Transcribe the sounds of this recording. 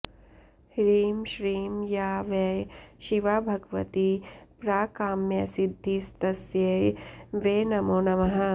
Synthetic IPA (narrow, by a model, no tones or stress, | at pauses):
hɾiːmʃɾiːmjaːʋɐjʃiʋabʱɐɡʋɐ̰t̪ipɾaːkaːmjɐsid̪ʱːist̪ɐsjɐ | ʋeːnɐmoːnɐmɐɦɐ̆